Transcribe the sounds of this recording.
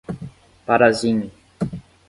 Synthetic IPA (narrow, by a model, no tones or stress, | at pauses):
paɾaziɲʊ